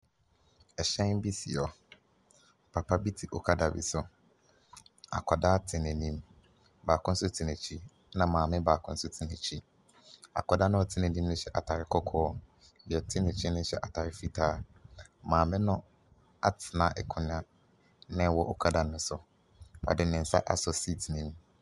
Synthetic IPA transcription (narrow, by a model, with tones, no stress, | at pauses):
ɛ˨ɕɛ̃˦n˦bi˦si˨ɔ˨ | pʰa˨pʰa˦bi˦tʰi˨ʔɔ˨kʰa˦da˨bḭ˨sʊ˨ | a̰˨kʰɔ˨da˦tʰɪ˨nɛ̃˨nĩ˦m | baː˨kʊ̃˦n̩˦sʊ˦tʰɪ˨nɛ̃˨t͡ɕʰi˦ | nã˨mãː˨mɪ̃˦baː˨kʰʊ̃˦n̩˦sʊ˦tʰi˨nɛ˨t͡ɕʰi˦ | a̰˨kʰɔ˨da˦nʊ̃˦ɔ˨tʰɪ˦nɛ̃˨nĩ˦mnʊ̃˦ɕɛ˦ʔa˨tʰa˨ɾɪ˨kʰɔ˦kʰɔː˦˨ | ɛ˨tʰɪ̃˦nɪ̃˨t͡ɕʰi˦nʊ̃˦ɕɛ̰˦˨ʔa˨tʰa˨ɾɪ˦fi˦tʰaː˦mãː˨mɪ̃˦nʊ̃˦ | a˦tʰɪ˨nã˨ʔɛ̰˨kʰʊ˨nɪ̃˦ã˦ | nɛ̃˦wɔ˦ʔɔ˨kʰa˦da˨nʊ̃˨˦sʊ˨ | a̰˨dɪ˨nɪ̃˨n̩˨sa̰˦ʔa˨sɔ˨si˦˨tʰi˨nĩ˦m